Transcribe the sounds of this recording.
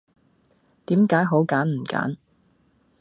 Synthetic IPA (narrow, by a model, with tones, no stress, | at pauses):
t̪iː˨˥mkaː˨˥jɦo˨˥wkaː˨˥nm̩˨˩ka̰ː˨˥n